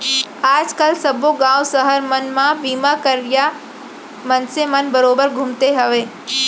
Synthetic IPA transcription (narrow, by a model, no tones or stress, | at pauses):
aːd͡ʑkɐlsɐbʱoɡãːwsɐɦəɾmɐnmãbiːmakɐɾɪja | mɐnsemɐnbɐɾoːbəɾɡʱʊmt̪eɦɐʋeː